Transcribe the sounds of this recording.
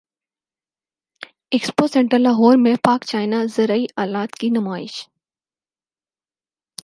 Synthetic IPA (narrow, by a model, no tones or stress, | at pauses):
eksposɛ̃ɳʈəlaɦoːɾmẽpaːkt͡ʃaːɪnazɐɾaiʔaːlaːt̪kinɐmaːɪ̰ʃ